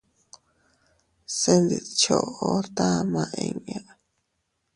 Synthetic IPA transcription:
se˦nd̪i˨t͡ʃo˧˨ʔo˦t̪a˦˧mã˧ʔẽ˧ɲã˦

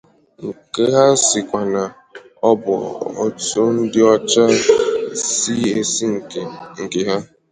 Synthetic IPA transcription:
ŋ̩˨ke˦ɦa˦sɪ˨kʷa˨na˨ | ɔ˦bʊ̰˨ɔ̰˦to˦n̩˦dɪ˦ɔ˦t͡ʃa˦ | si˦e˨si˦ŋ̩˨ŋ̩˨ke˨ɦa˦

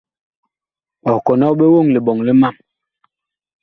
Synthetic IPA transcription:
ɔ˨kɔ˨nɔ˦ɓe˦wo˦˨ŋli˨ɓɔ˨ŋli˦ma˦˨m

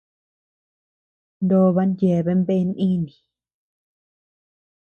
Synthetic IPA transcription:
nd̪o˦βa˧˦nde˨βe˧˦mbe˦˧˦nʔĩ˦nĩ˨

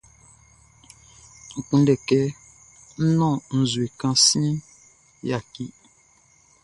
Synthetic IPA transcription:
ŋ̩˨k͡pũ˦n˦dɛ˨kɛ˦ | n̩˦nɔ̃˦˨n̩˨zwe˨kã˦si˦i˦ | ja˨ki˦

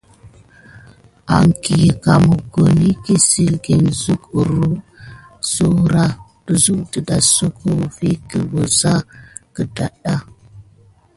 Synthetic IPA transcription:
a˨ŋki˨jə˨ka˨mu˨ɡo˨ni˦ki˦si˨lɡi˨nzu˦ku˨ɾu˦ | su˨ɾa˦d̥u˨zu˦k̚də˨da˨su˦ku˦˨vi˦ki˨wu˨za˦kə˨da˨ɗa˦

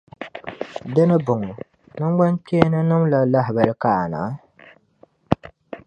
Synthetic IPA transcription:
dɨ˦nɨ˦bʊ˨ŋɔ˨ | nɨ˦ŋ˦ɡ͡ba˦ntɛ˦nɨ˦nɨ˦mla˨la˦ɦɪ˨ba˨ɾɨ˨ka˦˨a˨na̰˨˦

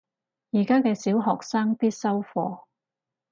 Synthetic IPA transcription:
jiː˨˩kaː˥kɛː˧siː˨˥wɦɔː˨˩k̚saː˥ŋpiː˥t̚sɐ˥wfɔː˧

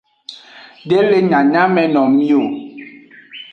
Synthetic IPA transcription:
de˦le˦ɲa˨ɲa˦mɛ˨nɔ˨mi˦o˨

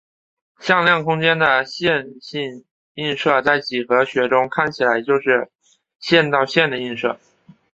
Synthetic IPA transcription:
ɕjɑ˥˧ŋljɑ˥˩ŋkʰʊ˥ŋt͡ɕjɛ˥nd̪ə˨ɕjɛ˥˧nɕi˥˧n | i˥˧nʂɤ˥˧t͡sa˥˩ɪt͡ɕi˨˩xɤ˧˦˥ɕɥɛ˧˥ʈ͡ʂʊ˥ŋkʰa˥˩nt͡ɕʰi˨˩la˧˥ɪt͡ɕjo˥˧ʊʂɻ̩˥˧ | ɕjɛ˥˧nt̪ɑ˥˧ʊɕjɛ˥˩nd̪ə˩i˥˧nʂɤ̰˥˩

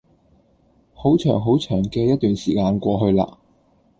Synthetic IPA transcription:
ho˨˥wt͡ʃʰœː˨˩ŋɦo˨˥wt͡ʃʰœː˨˩ŋkɛː˧jɐ˥t̚t̪yː˨nsiː˨˩kaː˧nkʷɔː˧ɦɵ˧ɥla̰ː˧

